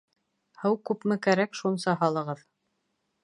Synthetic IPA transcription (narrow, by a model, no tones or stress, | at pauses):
hɤwkʉpmɘkæɾækʃunsɑɦɑlˠɤ̆ʁɤð